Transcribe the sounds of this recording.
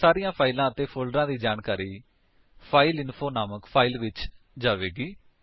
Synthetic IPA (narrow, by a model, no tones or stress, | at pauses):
saːɾɪjãːpʰaːɪlãːət̪eːpʰoːlɖɾãːd̪iːd͡ʒaːnkaːɾiː | pʰaːɪlɪnpʰoːnaːməkpʰaːiːlʋɪt͡ʃ | d͡ʒaːʋeːɡiː